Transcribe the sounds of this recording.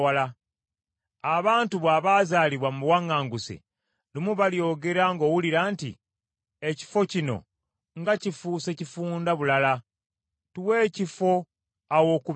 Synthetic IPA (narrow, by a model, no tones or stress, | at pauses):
ala | aβaːntuβwaːβaːzaːliβwamuwaŋːaːŋɡusḛ | lumuβaljo̞ːɡe̞ɾaŋɡo̞ːwuliɾaːntḭ | eci̥fo̞cino̞̰ | ŋɡacifuːse̞cifuːndaβulala | tuwe̞ːcifo̞ | awo̞ku